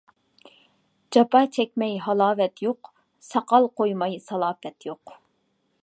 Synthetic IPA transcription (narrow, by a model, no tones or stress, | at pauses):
d͡ʒɑpɑt͡ʃʰɛkʲmɛjɦɑlˠɑːvɛt̪ʰjoq | sɑqɑlˠqʰojmɑjsɑlˠɑːfɛt̪joq